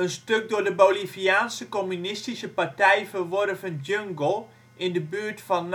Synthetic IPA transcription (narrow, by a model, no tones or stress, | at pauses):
ənstøk̚dʊːdəboliviaːnsəkɔmynɪstisəpartɛjfərʋɔrəfənd͡ʒøŋɡəlˠ | ʔɪndəbyːɹtfɑn